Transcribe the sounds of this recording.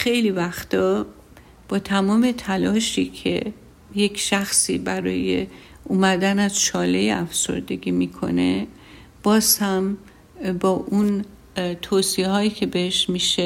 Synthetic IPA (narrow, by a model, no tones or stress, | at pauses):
xe̞jliːvæxt̪ɒː | b̥ɒːt̪ʰæmɒːme̞t̪ʰælɒːʃiːcʰḛ | je̞cʃæxsḭːbæɾɒ̰ːjḛ | ʔumæd̪ænæz̥ʃɒːleeæfso̞̰ɾd̪e̞ɡiːmiːkʰo̞̰ne̞ | b̥ɒːz̥hæm | bɒːʔun | t̪ʰoːsiehɒːiːcʰe̞beheʃmiʃe